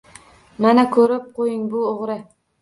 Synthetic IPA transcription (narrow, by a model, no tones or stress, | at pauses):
manakʰɵɾɪp̚qʰojɪŋbʊoʁɾɪ